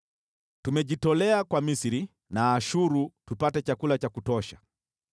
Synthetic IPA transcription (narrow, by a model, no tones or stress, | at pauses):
tumɛʄitɔlɛakwamisiɾi | naːʃuɾutupatɛt͡ʃakulat͡ʃakutɔʃa̰